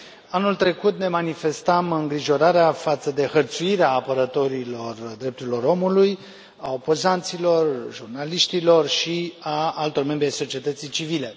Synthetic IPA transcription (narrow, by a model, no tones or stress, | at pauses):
anult̪ɾe̞kut̪ne̞manife̞st̪amɨŋɡɾiʒo̞ɾaɾeafat̪səd̪e̞xərt̪suiɾeaːpəɾət̪o̞ɾilo̞rd̪ɾep̚t̪uɾilo̞ɾo̞muluj | ao̞po̞zant̪silo̞rʒurnaliʃt̪ilo̞rʃiaalt̪o̞rme̞mbɾʲajso̞t͡ʃie̞t̪ət̪sijt͡ʃivile̞